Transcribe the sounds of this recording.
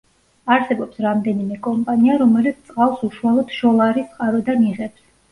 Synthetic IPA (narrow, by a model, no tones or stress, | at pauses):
aɾsɛbɔpsɾamd̪ɛnimɛkʼɔmpʼaniaɾɔmɛlit̪sʰt̪sʼqʼalˠsuʃualˠɔd̪̥ʃɔlˠaɾisʼqʼaɾɔd̪aniʁɛps